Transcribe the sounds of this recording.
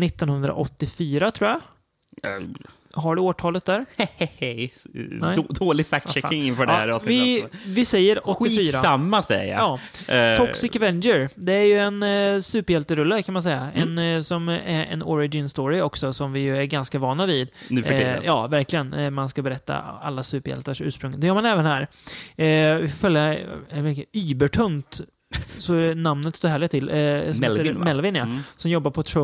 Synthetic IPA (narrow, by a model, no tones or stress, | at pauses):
nɪt̪ːɔnhɵnd̪ɾa̰ʔɔt̪ːɪfyːɾat̪ʰɾuːja | ɦaɖɵoːʈʰɑːlət̪̚d̪æːɾhhhɛj̪ɛd̪oːlɪɡfæk̚t̪ʃɛɪŋɪnfœːɖɛæɾɑːsnɪvɪvɪsɛjːəɾɔtɧɪfːfyːɾasamːasɛ̰a̰jɑː | ɔsɪkvɛnd͡ʒəɾd̪ɛæɾjɵɛnsʉːpəɾjɛlt̪əɾɵlːakʰanmans̬ɛjːaɛnsɔmæɾɛ̰nɔɾɪd͡ʒɪnst̪oːɾɪɔksɔsɔmvɪjɵæɾɡanskavɑːnavɪd̪ | jɑ̰ːvæɾklɪɡənmanskabɛɾɛt̪ʰːa̰a̰lːasʉ̟ːpəɾjɛ̰lt̪əʂʉ̟ːʂpɾɵŋd̪ɛjœːɾmanɛːvənhæːɾ | vɪfoːfœljavɛkyːbəʈʰɵnt̪ | sɔnamnət̪st̪oːɾhæːɭɪɡt̪ʰːɪlː | mɛlvɪnjasɔmjɔbːaɾpʰɔt̪ʰɾɔ